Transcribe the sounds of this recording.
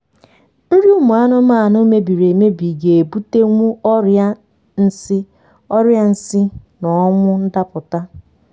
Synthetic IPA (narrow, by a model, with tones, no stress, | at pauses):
n̩˦ɾi˦u˦mu˨a˦nʊ˦ma˦˨no˦me˦bi˨ɾe˨me˦bi˨ɡe˨e˨bu˦te˦ŋʷu˦ɔ˦ɾja˦ | n̩˦sɪ˦ | ɔ˦ɾja˦n̩˦sɪ˦nɔ˨ɔ˦ŋʷʊ˦n̩˦da˦pʊ˨ta˦